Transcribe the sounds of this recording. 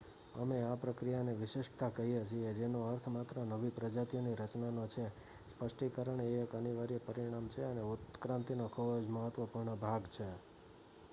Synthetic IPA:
əmeapɾəkɾijaneʋɪʃɪʃt̪akəɦijed͡ʒʰied͡ʒenoəɾt̪ʰmat̪ɾənəʋipɾəd͡ʒat̪ijoniɾət͡ʃnanot͡ʃʰe | spəʂʈʰikəɾəɳekəniʋaɾijpəɾiɽ̃amt͡ʃʰeəneut̪kɾãnt̪inokʰubd͡ʒməɦət̪ʋəpuɾɳəbʱaɡt͡ʃʰe

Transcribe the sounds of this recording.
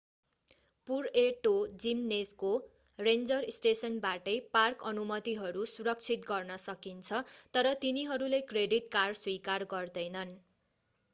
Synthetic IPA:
pureʈod͡zimnesko | rend͡zʌrisʈesʌnbaʈʌjparkʌnumʌt̪iɦʌɾusuɾʌk̚t͡sʰit̪̚ɡʌrnʌsʌkint͡sʰʌt̪ʌɾʌt̪iniɦʌɾulekreɖiʈkarswikarɡʌrd̪ʌjnʌn

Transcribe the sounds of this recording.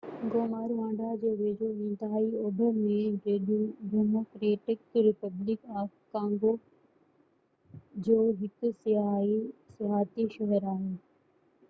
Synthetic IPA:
ɡoːmaːɾʋãːɳɖʱad͡ʑeːʋeːd͡ʑoɪ̃nt̪ɪɦaːiʊbʱəmẽeɗũɖeːmoːkɾeːʈɪkɾɪpɐblɪkaːkkãːŋɡo | d͡ʑoːɦɪksɪaisɪɦaːt̪iʃɐɦəɾaːɦeː

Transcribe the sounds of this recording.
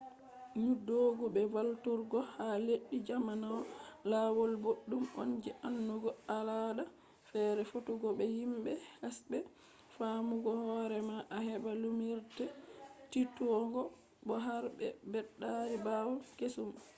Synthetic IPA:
ɲudoɡubɛwaltuɾɡɔhaleɗːid͡ʒamanawlawolboɗːumɔ̰ɲd͡ʒɛʔanːuɡɔalaɗa | fɛɾɛfotuɡɔbɛjimbɛhasbɛ | famuɡɔhɔɾɛmaʔahɛbalumiɾtɛtitɔɡɔ | bɔɦaɾbɛ̰bɛɗːaɾibawɔkesum

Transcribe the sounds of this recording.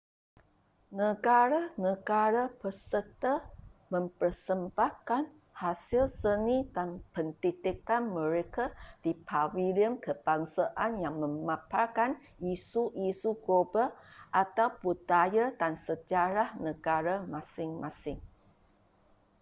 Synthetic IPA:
nəɡaɾanəɡaɾapəsət̪əmə̃mpərsəmbahkan | hasilsənidanpənt̪it̪ikanməɾekadipʰawiliəmkəb̥aŋsaʔanjaŋmə̃mãpakanisuʔisuɡobaʔat̪awpud̪ajadansəd͡ʒaɾahnəɡaɾamasɪŋmãsɪŋ

